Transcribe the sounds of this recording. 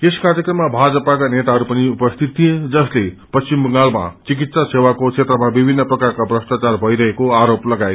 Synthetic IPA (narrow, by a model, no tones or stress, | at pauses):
eskaɾjekrʌmːabʱad͡zʌpakanet̪aɦʌɾupʌniupʌst̪ʰit̪̚t̪ʰijed͡zʌslepʌst͡simbʌŋɡalma̰t͡sik̬it̪sasewakot͡ʃʰet̪ɾrʌmabibʱinːʌprʌkarkabrʌst̪at͡sarbʱʌiɾʌɦekoaɾoplʌɡaj